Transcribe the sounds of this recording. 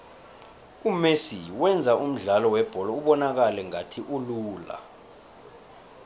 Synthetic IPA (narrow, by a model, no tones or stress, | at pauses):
umesiwɛnd͡zʱaʔum̩ɮalɔwɛb̥ʱɔlɔuɓɔnak̬alɛŋatʰiʔuluːla̰